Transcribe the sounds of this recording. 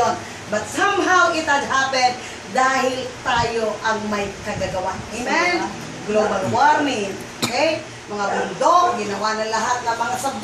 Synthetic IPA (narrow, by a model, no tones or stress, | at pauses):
on | bɐt̪̚samɦawʔɪt̪ad̪haːpɛt̪̚ | d̪aːɦɪlt̪aːjoʔɐŋmɐjkɐɡaɡɐwaʔemɛn | ɡlobɐlwaɾnɪŋokɛj | mɐŋabʊnd̪oɡɪnɐwanɐŋlɐɦat̪̚nɐmɐŋasɐb